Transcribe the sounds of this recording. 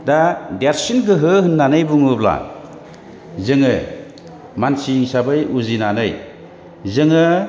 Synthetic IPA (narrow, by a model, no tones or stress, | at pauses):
dadaɾsinɡɯɦɯɦɯnːanɯjbuŋɯbla̰ | zɯŋɯ | mansiŋsabɯjuzinanɯj | zɯŋɯ